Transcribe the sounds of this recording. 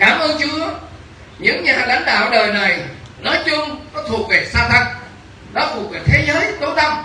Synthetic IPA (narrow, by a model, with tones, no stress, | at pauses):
kaː˧˩mʔɨː˧ŋt͡ɕɨ˧˨˦ə | ɲɨ̰˧˥ŋɲaː˨˩la̰˨˦jŋ̟ɗa̰ː˧˨wɗəː˨˩jna˨˩jnɔ˨˦jt͡ɕʊ˧ŋ͡mkɔ˨˦t̪ʰu˨˩ək̚ve˨˩saː˧t̪ʰə˨˩ŋ̚ | ɗɔ˨˦t̪ʰu˨˩ək̚ve˨˩t̪ʰe˨˦zəː˨˦jt̪o˨˦t̪ə˧m